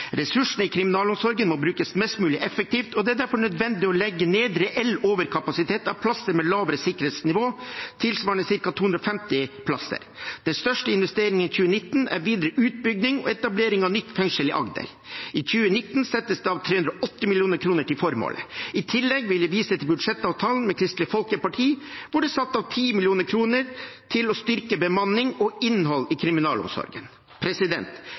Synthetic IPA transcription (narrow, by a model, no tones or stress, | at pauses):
ɾɛsʉʂn̩ɪkʰɾɪmɪnɑːlʊmsɔɾɡənmɔbɾʉːkəsmɛst̪mʉːlɪʔɛfək̚t̪iːft̪ɔd̪ɛæɖ̪æɾfɔɳœd̪ʋɛnd̪ɪɔlɛɡːəneːd̪ɾɛʔɛlːoːʋəɾkʰɑpɑsɪt̪ʰeːt̪ɑʋpʰlɑsəɾmɛlɑːʋəɾəsɪkːəɾeːt̪snɪʋoːt̪ʰɪlsʋɑːɳəsɪɾkɑt̪ʰuːʉnd̪ɾɔfɛmt̪ɪpʰlɑsə̰ɾd̪̥ɛnst̪œʂʈəɪnʋɛst̪eːɾɪŋənçʉːənɪt̪ːn̩æ̰ɾʋiːd̪əɾəʔʉːt̪̚bʏɡnɪŋɔ̰ɛt̪ɑbleːɾɪŋɑʋnʏt̪ːfɛŋʂəlɪʔɑ̰ɡd̪ə̰ɾ | ic͡çʉːənɪt̪ːn̩sɛt̪ːəsd̪ɛɑʋt̪ʰɾeːʉnd̪ɾɔʔɔt̪ːɪmɪlɪuːnəɾkʰɾuːnəʈɪlfɔɾmo̰ːlʔə̰ɪt̪ʰɪlːɛɡʋɪljɛʋiːsət̪ʰɪlbʉd̪ʂɛt̪ːɑːʋt̪ʰɑːln̩mɛkʰɾɪst̪lɪfɔlkəpɑʈʰiːʋʊɖɛsɑt̪ːɑʋt̪ʰiːmɪljuːnəɾkʰɾuːnəɾt̪ʰɪlɔst̪ʏɾkəbəmɑnːɪŋɔɪnhɔlːɪkʰɾɪmɪnɑ̰ːlɔ̰msɔ̰ɾɡən | pʰɾɛsɪd̪ɛ̰nt̪